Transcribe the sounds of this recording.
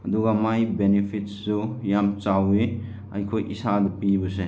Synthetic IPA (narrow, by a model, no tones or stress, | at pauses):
ɐduɡamajbenepʰit̚sujamt͡ʃawe | a̰jkʰojʔisadupibɯse